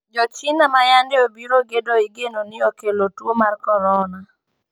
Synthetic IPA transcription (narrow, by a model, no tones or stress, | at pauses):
d͡ʒɔt͡ʃɪnamajandɪobiɾoɡedɔiɡenonɪokelotwomarkɔɾɔna